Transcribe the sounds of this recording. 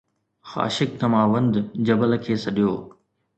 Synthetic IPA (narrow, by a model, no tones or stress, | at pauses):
xa̰ːʃɪk̚t̪ɐmaːʋɐ̃nd̪d͡ʑɐbəlkʰeːsɐɗijoː